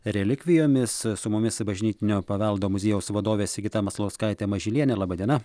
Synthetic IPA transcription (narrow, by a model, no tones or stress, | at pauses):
ɾʲɛlʲɪkʲʋʲɪjoːmʲɪssʊmʊmʲɪsbɐʒʲnʲiːt̪ʲɪnʲoːpɐʋʲɛlˠd̪oːmʊzʲeːjɛʊsʋɐd̪oːʋʲeːsʲɡʲɪt̪ɐmɐslˠɐʊskɐɪt̪ʲɛmɐʒʲɪlʲiɛnʲɛlˠɑːbɐd̪ʲiɛnɐ